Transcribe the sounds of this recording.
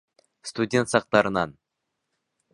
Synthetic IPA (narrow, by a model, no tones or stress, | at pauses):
st̪udʲe̞nt̪sɑq̚t̪ɑɾənɑn